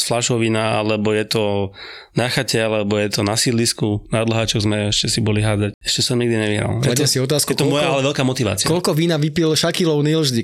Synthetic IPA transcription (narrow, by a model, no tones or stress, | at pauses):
flaʃɔʋinaa̰lɛbɔjɛt̪ɔ | naxacɛalɛbɔjɛt̪ɔnasid̪liskunad̪lɦaːt͡ʃɔɣzmɛɛʃcɛsibɔliɦaːd͡zacɛʃcɛsɔmɲiɡd̪iɲɛʋiɦɾa̰lɛat̪ɛsiɔt̪̬aːskɛt̪ɔmmɔjaalɛʋɛlkaːmɔt̪iʋa̰ːt͡sikɔlkɔʋiːnaʋipilʃakilɔʊnilʒd̪i